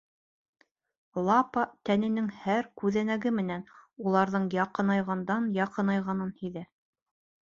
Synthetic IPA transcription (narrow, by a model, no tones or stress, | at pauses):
lˠɑpɑt̪ænɘ̆nɘŋhæɾkʉðænæɡɘmɘ̆nænulˠɑɾðɤɴjɑqɤ̆nɑjʁɑnd̪ɑnjɑqɤ̆nɑjʁɑnɤnhiðæ